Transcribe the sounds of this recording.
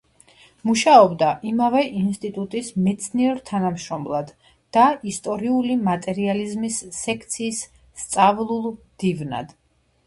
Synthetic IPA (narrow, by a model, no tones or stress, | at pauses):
muʃaɔbd̪aʔimavɛʔinst̪ʼit̪ʼut̪ʼismɛt̪sʰniɛɾt̪ʰanamʃɾɔmlˠad̪ | d̪̥aist̪ʼɔɾiulimat̪ʼɛɾializmisːɛkʰt̪sʰiːsː | t̪sʼavlˠulˠmd̪̥ivna̰d̪̥